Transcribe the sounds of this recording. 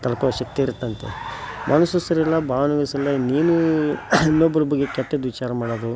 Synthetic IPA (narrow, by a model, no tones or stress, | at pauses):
t̪ɐlɐkɐɐʃɐk̚t̪iiɾt̪ːɐnt̪ḛmʔɐnusːusɐɾɛlːɐbʱaːʋɐnɐɡɐsɐlːɐniːnu | nobːɐlubuɡekɛt̪ːɐd̪ʋit͡ʃaːɾɐmaːɽod̪u